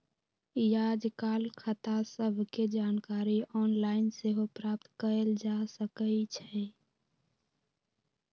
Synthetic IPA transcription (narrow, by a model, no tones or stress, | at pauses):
jad͡ʒkalkʰət̪asəbʱked͡ʒankaɾiɔnlainseɦopɾap̚t̪kəeld͡ʒasəkət͡ʃʰɛ